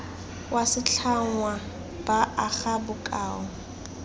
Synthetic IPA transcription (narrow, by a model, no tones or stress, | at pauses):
wasɪt͡ɬʰaŋwa | b̥aʔaχabʊkʼa̰ːɔ